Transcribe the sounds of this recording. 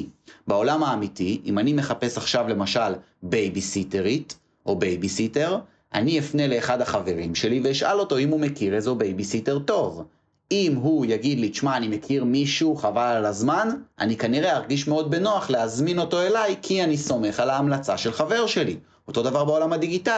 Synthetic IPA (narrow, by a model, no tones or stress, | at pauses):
bao̞lamaːmitiʔimanime̞χape̞saχʃavle̞maʃal | bejbisiteʁit | ʔo̞bejbisite̞ʁ | ʔa̰niefne̞le̞ːχad̪haχave̞ʁimʃe̞liveiʃa̰lo̞to̞imhumekiʁezobe̞jbisite̞ʁto̞v | imɦujaɡid̪liʃmaːnime̞kʰiʁmiʃuχavalalazmanʔa̰nikaniʁe̞aʁɡiʃmeo̞d̪̚be̞no̞aχleazmino̞to̞e̞lajkʰianiso̞me̞χalaːmlat͡saʃe̞lχave̞ʁʃe̞li | o̞to̞davaʁbao̞lamhad̪iɡita